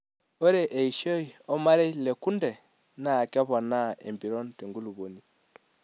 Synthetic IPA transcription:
o˦ɾe˦ʔːi˨ʃo˦i˨ɔ˦ma˦ɾe˦le˨ku˦nde˨ | naː˦˨ka˦βɔ˨na˦ḛ˨mbi˨ɾo˦nte˨ŋɡu˦lu˨βo˨ni˨

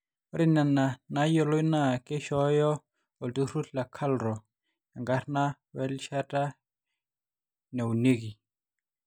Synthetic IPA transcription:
ɔ˦ɾi˦na˨na˨na˨˦jɔ˦˨lɔ˦i˦na˦˨ke˦ʃɔ˨˦jɔ˦ | ɔ˨ldu˦ɾu˦tla˨kʰa˦lɾɔ˨ | ja˨ŋɡa˦ɾna˦ | wɛ˦lʃa˦ta˦ | nɛ˨u˨ne˦ki˨

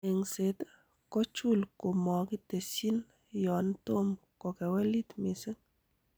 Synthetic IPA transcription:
e˨ŋse˨t | kɔ˦t͡ʃu˦˨lko˨mɔ˨ki˦te˨si˦n | jɔ˨nto˦mkɔ˨kɛ˨wɛ˦li˦tmɪ˨se˦

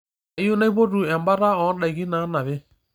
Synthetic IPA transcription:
i˦o˦na˦i˦po˦tu˨ɛ˨mba˦ɾa˦ɔ˨˦ɗa˨i˨ɣi˦na˨˦na˨βe˦

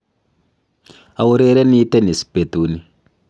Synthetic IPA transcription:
a˨wu˦ɾe˦ɾɛ˦ni˦tɛ˦ni˨si̥˨pe˨tu˨ni˦

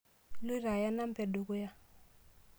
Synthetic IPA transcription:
li˦ra˨ja˦na˦m̩˦pɛ˨du˨kɔ˦ja˦

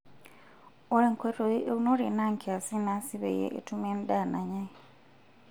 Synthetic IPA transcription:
o˦ɾe˨ŋkwe˦ɾo˨eʔewu˦no˦ɾe˨na˦ŋkʰia˨si˦na˦si˦βḛ˨jḛʔḛ˨tu˦meː˦nd̪a˦˨na˨ɲa˦i

